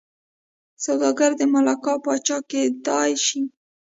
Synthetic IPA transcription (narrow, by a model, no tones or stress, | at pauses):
sawd̪ɑɡaɾd̪əmalɑkɑpɑt͡ʃɑked̪ɑjʃi